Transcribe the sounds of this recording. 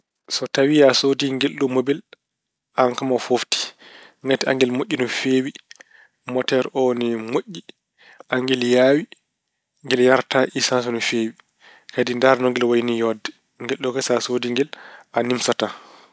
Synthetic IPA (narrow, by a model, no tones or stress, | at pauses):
sɔtawijasodiŋɡelːumobil | ʔaŋkamafofti̥ŋɡatɛa̰ŋɡɛlmoʔʲːinɔfeːwi | mɔtɛɾɔnɛmoʔʲːi | ʔaŋɡɛljaːwi | ŋɡɛljaɾtaʔisans̬ɔnɔfeːwi | kadindaɾnɔŋɡɛlwajnijɔdːɛ | ŋɡɛlːɔkasasodiŋɡɛlʔanimsata